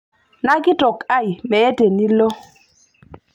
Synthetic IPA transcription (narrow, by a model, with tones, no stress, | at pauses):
na˦ɡɪ˦tɔ˨ka˦i˨mɛ˨e˦te˨ni˦lo˦